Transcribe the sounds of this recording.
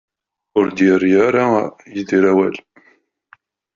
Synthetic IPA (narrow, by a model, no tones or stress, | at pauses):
ʊɾd̪jəɾjaɾajəðiɾæwæl